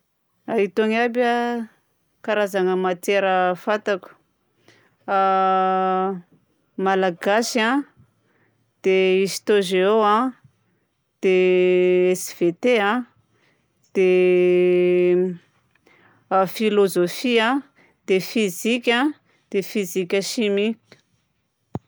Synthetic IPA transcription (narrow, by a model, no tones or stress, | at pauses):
ait̪oŋabʲa | kaɾazaŋəmat͡s̪eɾəfat̪aku̥ | a | malaɡasã | d̪̥eist̪oʒeoã | d̪̥e | esv̥et̪eã | d̪̥e | filozofiã | d̪̥efizikʲa | d̪̥efizikʲəʃimi